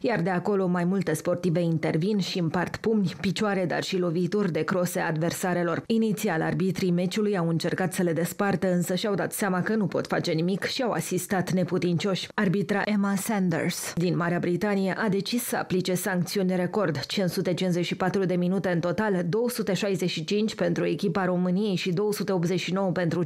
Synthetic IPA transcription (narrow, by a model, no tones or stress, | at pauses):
jard̪e̞ako̞lo̞majmult̪e̞spo̞rt̪ive̞int̪e̞rvinʃiɨmpart̪pumnʲpit͡ʃoaɾe̞d̪a̰rʃilo̞vit̪urʲd̪e̞kɾo̞se̞ad̪ve̞rsaɾe̞lo̞rinit̪siala̰rbit̪ɾime̞t͡ʃulujawɨnt͡ʃe̞rkat̪səle̞d̪e̞spart̪əɨnsəʃiawd̪at̪seamakənupo̞̰t̪fa̰t͡ʃe̞nimikʃiawa̰sist̪at̪ne̞put̪int͡ʃo̞ʃʲarbit̪ɾaʔemasɛnd̪ḛrsd̪inmaɾeabɾit̪anijeʔad̪e̞t͡ʃiːəa̰plit͡ʃe̞saŋk̚t̪siunʲɾe̞ko̞rd̪t͡ʃinsut̪e̞t͡ʃinze̞ʃipat̪ɾud̪e̞minut̪e̞ɨnt̪o̞t̪ald̪o̞wəsut̪e̞ʃajze̞ʃit͡ʃint͡ʃʲpe̞nt̪ɾue̞kʲipaɾo̞mɨnije̞jʃid̪o̞wəsut̪eop̪ze̞ʃino̞wəpe̞nt̪ɾu